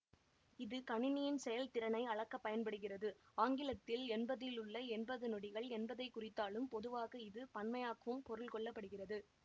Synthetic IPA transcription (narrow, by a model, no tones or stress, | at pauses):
ɪðɯkɐɳɪnɪjɪnsɛjɐlt̪ɪɾɐnɐɪɐɭɐkːɐpːɐjɐnpɐɽɯɣɪrɐðɯaːŋɡɪlɐt̪ːɪlɛnbɐðɪlʊɭːɐɛnbɐðɯnɔɽɪɣɐɭɛnbɐðɐɪkːʊrɪt̪ːaːlɯmpɔðɯʋaːɣɐɪðɯpɐnmɐjaːkɐʋɯmpɔɾɯlkɔɭːɐpːɐɽɯɣɪrɐðɯ